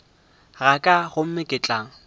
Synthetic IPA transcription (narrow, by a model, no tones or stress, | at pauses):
ɣakʼaɣʊm̩mɪkʼɪt͡ɬʼaŋ̩